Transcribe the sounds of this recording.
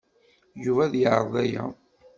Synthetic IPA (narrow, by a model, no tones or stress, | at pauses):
juvæðjəʕɾˤðˤæjæ̰